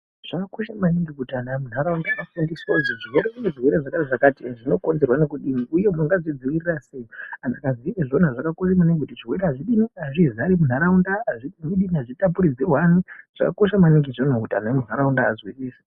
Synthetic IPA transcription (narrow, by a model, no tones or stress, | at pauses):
ʐ̥akakoʃamaniŋɡikutanamun̤aɾaundaafundisoziʐirweɾekuneʐirweɾeʐakareʐakatiʐino̞ko̞nd͡ze̞rwanekuɗiniuje̞muŋɡazid͡ziʋirirasejoanakazieʐonaʐakako̞ʃamaneŋɡekutit͡ʃirwe̞ɾeɦaʐiɗiniaʐizaɾimun̤aɾaundaːʐimiɗiniaʐitap̬uɾid͡zewan̤uʐ̥a̰kako̞ʃamaniŋɡiʐonokutanaemunaɾaunda̰ːzwisiːse̥